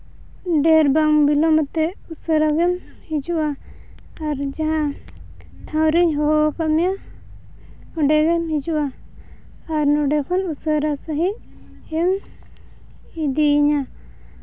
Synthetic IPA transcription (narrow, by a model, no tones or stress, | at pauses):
ɖɛɾbaŋbilɔmɔt̪ɛusəɾaɡɛm | hid͡ʒuʔaː | ɾd͡ʒaɦã | ʈʰãwɾiɲɦɔɦakamija | ɔɖɛɡɛmɦid͡ʒuʔaː | ɾnɔɖɛkʰɔnusəɾasaɦi | ɛm | id̪iːɲa